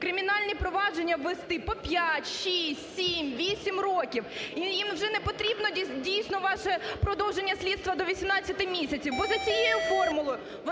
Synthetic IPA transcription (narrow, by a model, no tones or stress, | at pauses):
kɾɪmʲinɑlʲnʲipɾɔʋɑd͡ʒenʲːɐʋest̪ɪpɔpʲjatʲʃisʲtʲsʲimʋʲisʲimrokʲiwijimwʒɛnɛpɔt̪ɾʲibnɔdʲijsʲnɔʋɑʃɛpɾɔd̪ɔwʒenʲːɐsʲlʲidt̪st̪ʋɐd̪ɔʋʲisʲimnɑt͡sʲːɐt̪ɪmʲisʲɐt͡sʲiwbɔzɐt͡sʲijejʊfɔrmʊlˠɔjʊ | ʋ